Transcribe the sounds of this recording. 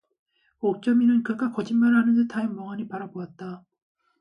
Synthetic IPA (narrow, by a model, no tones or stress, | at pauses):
ok̚t͡ɕ͈ʌminɯnkɯɡ͈akʌd͡ʑimːaɾɯɭɦanɯndetʰaɯmmʌŋaɲipaɾaboat̚t͈a